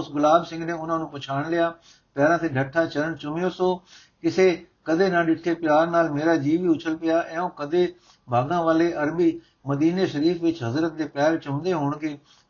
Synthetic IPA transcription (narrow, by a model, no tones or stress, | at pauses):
ʊsɡʊlaːbsɪ̃ŋɡneːʊnãːnũːpʊt͡ʃʰaːɳlɪjaː | pjɛːɾãːt̪ʰeːɖʱəʈʰːaːt͡ʃələɳt͡ʃʊmɪjoːsoː | kɪseː | kəd̪eːnãːɖɪʈʰːeːpɪjaːɾnaːlmeːɾaːd͡ʒiːʋiːʊt͡ʃʰəlpɪjaːʔɛːõːkəd̪eː | bʱaːɡãːʋaːleːʔəɾbiː | məd̪iːneːʃəɾiːfʋɪt͡ʃɦəzɾət̪̚d̪eːpɛːɾt͡ʃʊmd̪eːɦoːɳkeː